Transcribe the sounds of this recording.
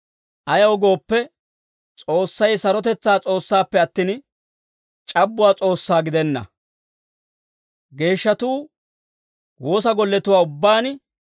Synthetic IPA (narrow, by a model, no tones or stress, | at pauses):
ʔɐjɐwɔɡo̞ːpːɛ | t͡sʼo̞ːsːɐjsɐɾɔt̪ɛt͡sːaːt͡sʼo̞ːsːaːpːɛɐt̪ːiːn | t͡ʃʼɐbːʊwaːt͡sʼo̞ːsːaːɡɪd̪ɛnːɐ̰ | ɡe̞ːʃːɐt̪uː | wo̞ːs̬ɐɡɔlːɛt̪ʊwaːʊbːaːn